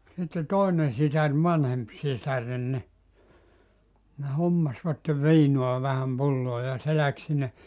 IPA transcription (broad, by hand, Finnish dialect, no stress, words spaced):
sitːe toˑinen sisær ʋɑnhemp sisæren ni ne homːɑsʋɑtːe ʋiːnuɑ ʋæhæm pulːoː jɑ se læk sinːe